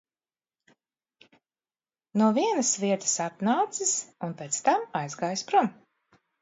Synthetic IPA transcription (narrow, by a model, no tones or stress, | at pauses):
nuɔviɛnɐsviɛt̪ə̥sat̪naːt̪sisunpet̪st̪amajzɡaːjspɾum